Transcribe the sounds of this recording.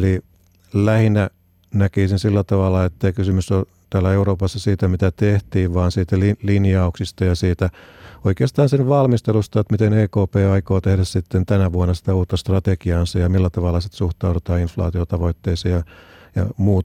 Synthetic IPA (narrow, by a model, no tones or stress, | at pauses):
li | læhinæ | nækisinsilːæt̪ɑʋɑlːˑɑet̪ːæikysymysːo | t̪æːlæeuroːpɑsːɑsiːt̪æmit̪æt̪eht̪iːʋʋɑːnsiːt̪ælilinjɑuksist̪ɑjɑsiːt̪æoikeːst̪ɑːnsinʋɑlmist̪elust̪ɑet̪mit̪eneːkoːpeːɑikoːt̪ehɾæssit̪ːent̪ænæʋuonːɑsi̥t̪æuːt̪ːɑst̪rɑt̪ekiɑːnsɑjɑmilːæt̪ɑʋɑlːˑɑsit̪suht̪ɑuɾet̪ɑːinflɑ̰ːt̪iot̪ɑʋoit̪ːeisejɑjɑ̰muːt̪